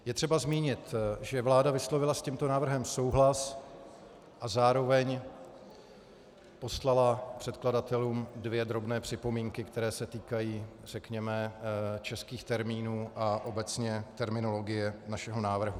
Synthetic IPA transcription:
jɛt̪r̥ɛbazmiːɲɪt̪ʒɛvlaːdavɪslo̞vɪlascimt̪onaːvr̩ɦɛmso̞wɦlas | ʔazaːɾo̞vɛɲ | po̞slalapr̝̥ɛt̪kladat̪ɛluːmdvjɛd̪ɾo̞bnɛːpr̝̥ɪpo̞miːŋkɪkt̪ɛɾɛːsɛt̪iːkajiː | r̝̥ɛkɲɛmɛt͡ʃɛskiːxt̪ɛɾmiːnuːʔaʔo̞bɛt͡sɲɛt̪ɛɾmɪno̞lo̞ɡɪjɛnaʃɛɦo̞naːvr̩ɦu

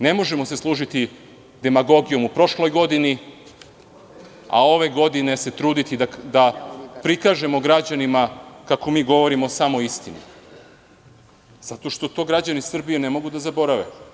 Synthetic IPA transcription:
ne̞mo̞ʒe̞mo̞se̞slˠuːʒit̪i | d̪e̞maɡo̞ɡijo̞mupɾo̞ʃlo̞jɡo̞d̪ini | a̰o̞ʋe̞ɡo̞d̪ine̞se̞t̪ɾuːd̪it̪id̪ad̪apɾikaːʒe̞mo̞ɡɾad͡ʑanimakako̞miːɡo̞ʋo̞ɾimosamo̞ist̪inḭ | z̥at̪o̞ʃt̪o̞t̪o̞ɡɾad͡ʑanisr̩bijene̞mo̞ɡud̪azabo̞ɾaʋe̞̰

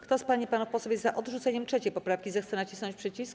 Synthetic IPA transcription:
kt̪ɔspaɲipanɔfpɔsɔvʲjɛzaʔɔd̪ʐut̪sɛɲɛmtʂɛt͡ɕɛjpɔpɾafkʲizɛxt̪sɛnat͡ɕisnɔ̃ɲt͡ɕpʂɛt͡ɕisk

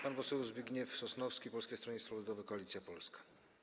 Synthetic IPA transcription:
panpɔsɛwzbʲjiɡɲɛfsɔsnɔfskʲipɔlskʲejst̪ɾɔɲɛsfɔlud̪ɔvɛkɔalʲit̪sʲjapɔlskḁ

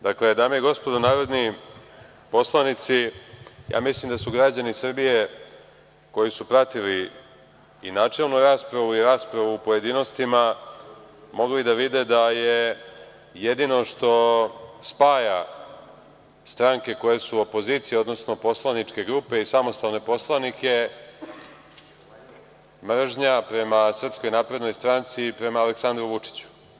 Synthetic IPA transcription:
d̪akle̞d̪amijeɡo̞spo̞d̪onaːɾo̞d̪ni | po̞slˠanit̪sijʔa̰ːmislimd̪asuɡɾad͡ʑanisr̩bije̞ | ko̞jisupɾat̪iliː | naːt͡ʂe̞lˠnuɾaːspɾaʋuiɾaːspɾaʋuːpo̞je̞d̪iːno̞st̪ima | mo̞ɡlid̪aʋid̪e̞d̪aje̞ | je̞d̪ino̞ʂt̪o̞spaːja | st̪ɾaŋke̞ko̞jesuopo̞ziːt̪sijeo̞d̪no̞sno̞po̞slˠanit͡ʂke̞ɡɾuːpe̞isamo̞st̪aʋne̞po̞slˠanike̞ | mr̩ʒɲapɾe̞masr̩psko̞jnaːpɾe̞d̪no̞jst̪ɾant̪sipɾe̞maːleksand̪ɾuʋut͡ʂi̥t͡ɕu̥

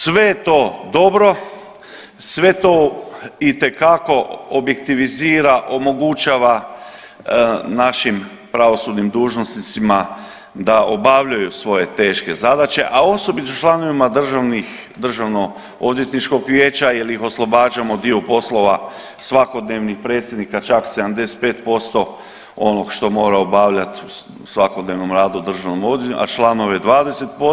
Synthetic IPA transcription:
sʋe̞jet̪o̞ːd̪o̞bɾo̞ | sʋe̞t̪oit̪e̞kako̞obje̞kt̪iʋiziːɾaʔo̞mo̞ɡut͡ʃaːʋa | naʃim | pɾaʋo̞sud̪nimd̪uːʒnosnit̪sima | d̪aʔo̞baʋʎujusʋo̞je̞t̪e̞ːʃke̞zad̪at͡ʃe̞̰ʔao̞so̞bit̪ot͡ʃlˠano̞ʋimad̪r̩ʒanix | d̪r̩ʒaʋno̞ | o̞d̪je̞t̪nit͡ʃko̞ɡʋje̞ːt͡ʃailixo̞slˠo̞baːd͡ʒamo̞d̪iopo̞slˠo̞ʋa | sʋako̞d̪neːʋnixpɾe̞ːt̪sʲjed̪nikat͡ʃaksed̪amd̪e̞set̪̚pe̞ːt̪po̞st̪o̞ | o̞no̞ɡʃt̪o̞mo̞ːɾaobaːʋʎat̪u | sʋako̞d̪neʋno̞mɾaːd̪ud̪r̩ʒaʋnomod̪jṵʔa̰t͡ʃlˠaːno̞ʋed̪ʋaːd̪e̞se̞t̪̚po

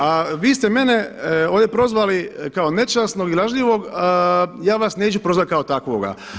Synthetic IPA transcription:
aʋiːst̪ɛme̞neoːd̪jʲepɾo̞zʋalikao̞ne̞t͡ʃasnoɡilˠaʒʎiʋo̞ɡ | jaːʋasne̞ːt͡ɕupɾo̞zʋat̪̚ʲkaot̪akʋo̰ɡa̰

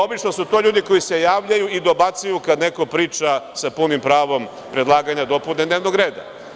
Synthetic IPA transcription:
o̞bit͡ʃno̞sut̪o̞ːʎuːd̪iko̞jise̞jaːʋʎajuid̪o̞bat̪sajukad̪ne̞ko̞pɾiːt͡ʃasapunimpɾaːʋo̞m | pɾe̞d̪lˠaːɡaɲad̪o̞puned̪neːʋno̞ɡɾe̞ːd̪a̰

